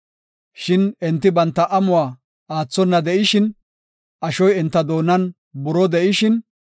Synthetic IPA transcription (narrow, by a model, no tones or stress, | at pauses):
ʃɪnɛnt̪ːɪbɐnt̪ːɐʔɐmʊwaː | aːt͡sːɔnːɐd̪ɛʔɪʃɪn | ɐʃɔjɛnt̪ːɐd̪o̞ːnːɐn | bʊɾɔd̪ɛʔɪʃɪn